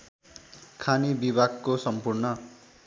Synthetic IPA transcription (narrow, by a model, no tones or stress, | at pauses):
kʰanibibʱaɡkosʌmpurnʌ